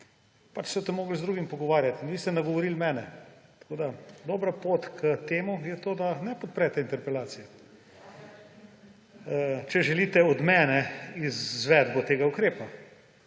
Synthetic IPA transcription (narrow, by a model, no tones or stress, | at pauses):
pat͡ʃsɔt̪ɛmːoːɡlzd̪ɾuːɡimpɔɡɔʋaːɾjat̪inʋiːst̪ɛnɐɡɔʋɔɾilmɛːnɛt̪ḁkoːd̪ad̪oːbɾapoːt̪kʰət̪eːmujɛt̪oːd̪anɛpɔt̪̚pɾɛt̪ɛint̪ɛɾpɛlaːsijɛ | t͡ʃɛʒɛliːt̪ɛɔd̪mɛːnɛizʋɛd̪bot̪eːɡaukɾeːpa